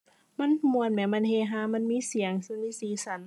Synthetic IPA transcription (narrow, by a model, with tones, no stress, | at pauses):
ma˧˥˨nmu˧˩ə˨nmɛː˧˩ma˧˥˨nhe˧˩ɦaː˧˨ma˧˥˨nmiː˧˥˨si˨˦əŋsɯ˧˨niː˧˥siː˧˨sa˧˦n